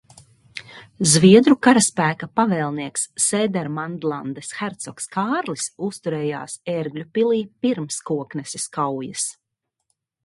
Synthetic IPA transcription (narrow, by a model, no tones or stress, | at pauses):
zviɛd̪ɾukaɾaspæːkapavɛːlˠniɛksːɛːd̪ɛɾmand̪lˠand̪esxæɾt̪sɔkskaːɾlisust̪uɾɛːja̰ːsɛɾɡlʲupilˠiːpiɾmskuɔknɛsiskawjɐs